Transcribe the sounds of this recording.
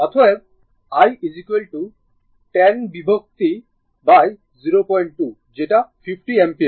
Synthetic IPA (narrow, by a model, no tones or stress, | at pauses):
at̪ʰɔɛb̚ | ajʔizikwelʈu | ʈɛnbibʱok̚t̪i | baj | ziɾopɔjɳʈ̚ʈu | d͡ʑeʈapʰipʈiempi